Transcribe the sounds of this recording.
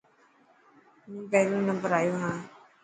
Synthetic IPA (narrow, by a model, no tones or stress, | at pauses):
mũːpɛːɾũːnə̃mbəɾaːjoːɦãː